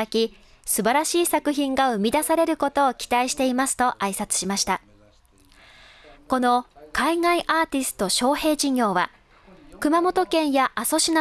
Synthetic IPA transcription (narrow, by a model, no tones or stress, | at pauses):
akʲi | sɨbaɾaɕiːsakɯ̟çĩŋɡaɯ̟mʲid̪asaɾe̞ɾɯ̟ko̞t̪o̞ːkʲi̥t̪aiɕi̥t̪e̞imasɨ̥t̪o̞ʔaisat͡sɨ̥ɕimaɕi̥t̪a | ko̞no̞kaiŋaiʔaːt̪ʲisɨ̥t̪o̞ɕo̞ːhe̞ːd͡ʑiɲʲo̞ːβa | kɯ̟mamo̞t̪o̞kẽ̞ɰ̃jaʔaso̞ɕina